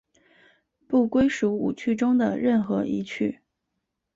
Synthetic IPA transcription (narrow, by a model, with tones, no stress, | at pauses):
pu˥˩kwe˥ɪʂu˧˥ṵ˨˩t͡ɕʰy˥˩ʈ͡ʂʊ˥ŋd̪ə̰˨ɻə˥˩nxɤ˧˥ʔḭ˧˥t͡ɕʰy˥˩